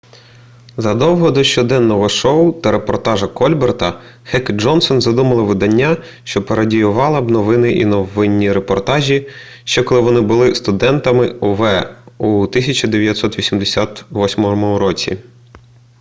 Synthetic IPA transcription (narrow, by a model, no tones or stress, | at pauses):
zɐd̪ɔwɦɔd̪ɔʃt͡ʃɔd̪ɛnːɔɦɔʃɔʊt̪ɐɾepɔrt̪ɑʒɐkɔlʲbert̪ɐ | hɛkʒɔnsɔnzɐd̪umɐlˠɪʋɪd̪ɐnʲːa | ʃt͡ʃɔpeɾɐdʲijʊʋɑlˠɐbnɔʋɪnɪʔḭnɔʋɪnʲːiɾepɔrt̪ɑʒʲi | ʃt͡ʃɛkɔlˠɪʋɔnɪbʊlˠɪst̪ʊd̪ɛnt̪ɐmɪʊʋɛut̪ɪsʲɐt͡ʃɐd̪eʋʲjɐt̪ʲsɔt̪ʋʲisʲimd̪esʲat̪ʋɔsʲmɔmʊɾɔt͡sʲḭ